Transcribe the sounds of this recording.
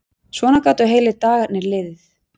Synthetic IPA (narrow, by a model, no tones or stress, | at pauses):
svɔːnakaːt̪ʏɦeːjlɪt̪aːɣanɪɾlɪðθ